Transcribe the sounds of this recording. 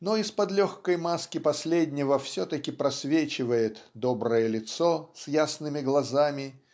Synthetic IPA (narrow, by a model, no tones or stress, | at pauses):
noɪspɐd̪lʲoxkəjmaskʲɪpɐsʲlʲedʲnʲɪvəfsʲɵt̪əkʲɪpɾɐsʲvʲet͡ɕɪvəjɪt̪d̪obɾəjəlʲɪt̪sosʲjasnɨmʲɪɡlˠɐzamʲɪ